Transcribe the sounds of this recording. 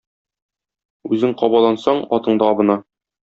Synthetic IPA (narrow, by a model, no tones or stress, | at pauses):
ʉzɘŋqɒbɑlˠɑnsɑɴɒt̪ɤ̆ɴd̪ɑɒbɤ̆nɑ